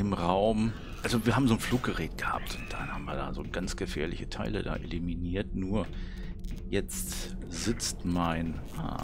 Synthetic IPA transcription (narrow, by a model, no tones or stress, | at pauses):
ɪmʁaʊm | ʔalzoviːɐhaːbm̩zoːnfluːk̚ɡ̥əʁɛːtɡ̥əha̰ːp̚tʊnt̚d̥anha̰ːm̩viːɐda̰ːzoːɡant͡sɡ̥əfɛ̰ːɐlɪçətʰaɪlə̰da̰ːʔeliminiːɐtnuːɐ | jɛt͡st | z̥ɪt͡stmaɪnʔa̰